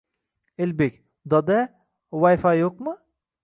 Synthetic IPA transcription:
ɪlbekʲ | d̪ɔd̪ɛ | wajfajoq̚mɨ

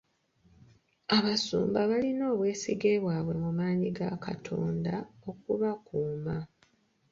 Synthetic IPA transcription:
aβasṵːmbaβalino̞ːβwe̞ːsiɡe̞ːβwaːβwe̞mumaːɲiɡaka̰tʰo̞̰ːndao̞kuβakuːma

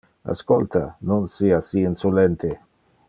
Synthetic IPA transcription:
a̰skolt̪a̰nonsiːasiinsolɛnt̪e

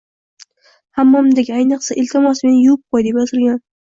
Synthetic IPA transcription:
hamːɒmd̪ekʲajnɨqsaʔɪlt̪ʰɪmɒsmenɪjʊp̚qʰojd̪e̞pjazɪlɡʲan

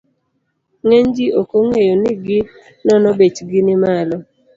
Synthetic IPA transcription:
ŋeɲd͡ʒiokoŋejonɪɡɪ | nɔnɔbet͡ʃɡɪnɪmalɔ

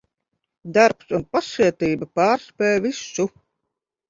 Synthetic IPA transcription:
d̪aɾpsunpasiɛt̪iːbapaːɾspʲɛːjvisːu

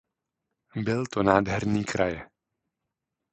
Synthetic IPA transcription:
bɪlt̪onaːd̪ɦɛɾniːkɾajɛ

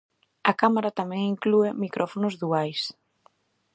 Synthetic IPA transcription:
ɐkamaɾat̪amɛ̃ŋiŋkluemikɾʔɔfonʊzðuajs

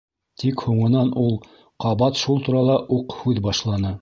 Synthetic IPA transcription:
t̪ʰikhuɴɤ̆nɑnulˠ | qɑβɑt̪ʃulˠt̪uɾɑlˠɑʔuqhʉðbɑʃlˠɑnɤ

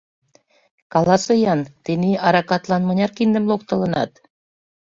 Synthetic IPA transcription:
kɑlˠɑsɤ̆jɑnt̪eniɑɾɑkɑt̪lˠɑnmɤ̆nʲɑrkind̪ə̆mlˠokt̪ɤ̆lɤ̆nɑ̰t̪

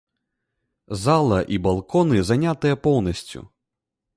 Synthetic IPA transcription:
zalˠɐʔibalˠkɔnɨzanʲat̪ɨjɛpɔwnɐsʲt͡sʲṵ

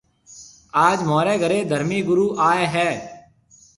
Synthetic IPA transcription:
aːd͡ʒmoːɾeːɡəɾeːd̪ʱəɾmiːɡʊɾuːʔaːeɦɛː

